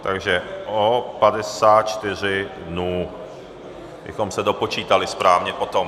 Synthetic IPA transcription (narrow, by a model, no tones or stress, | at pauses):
t̪aɡʒɛʔopadɛsaːt̪̚t͡ʃt̪ɪr̝ɪdnuː | bɪ̰xomsɛdo̞po̞t͡ʃiːt̪alɪspɾaːvɲɛpo̞t̪om